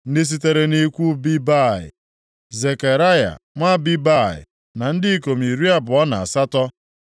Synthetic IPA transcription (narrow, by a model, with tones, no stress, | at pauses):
n̩˦ɪ˦s̬i˦te˦ɾe˨ni˦kʷu˦bi˦ba˦˨ɪ̰˨ | ze˨ke˨ɾa˦ja̰˨ŋʷa˦bi˦ba˦˨ɪ̰˨ | na˨n̩˦dɪ˦i˦ko˨mi˨ɾi˦a˦bʊ˨ɔ˦na˨a˨sa˦tɔ˦